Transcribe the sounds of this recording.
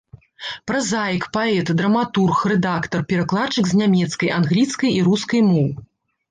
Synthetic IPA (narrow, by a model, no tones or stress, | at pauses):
pɾɐzajkpaɛt̪d̪ɾɐmat̪urxrɛd̪akt̪ɐrpʲɛɾaklˠat͡ʂɨkznʲamʲɛt̪skɐjʔanɣlʲit̪skɐjiɾuskɐjmɔw